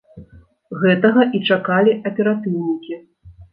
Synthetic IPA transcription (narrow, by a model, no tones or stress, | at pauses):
ɣɛt̪ɐɣɐʔit͡ʂakalʲiʔɐpʲɛɾat̪ɨwnʲikʲi